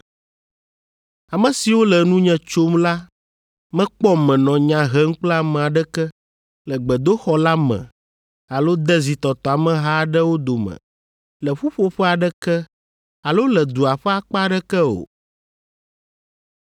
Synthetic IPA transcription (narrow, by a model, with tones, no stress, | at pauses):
a˨mə̃˨si˨wo˦lɛ˨nũ˦ɲɛ̃˦t͡ʃo˦mla˦ | mɛ̃˦k͡pɔ˦mɛ̃˨nɔ̃˨ɲã˨ɦɛ˦ŋ̩˦k͡plɛ˦a˨mɛ̃˨a˨ɖɛ˦kɛ˦ | lɛ˨ɡ͡bɛ˨d̪o˦xɔ˨la˦mɛ̰̃˨ | a˨lo˦d̪ɛ˦zi˨t̪ɔ˨t̪ɔ˨a˨mɛ̃˨ɦa˦ɖɛ˦wo˦d̪o˨mɛ̰̃˨ | lɛ˨ɸu˦ɸo˦ɸɛ˦a˨ɖɛ˦kɛ˦ | a˨lo˦lɛ˨d̪u˨a˨ɸɛ˦a˨k͡pa˦ɖɛ˦kɛ˦o̰˨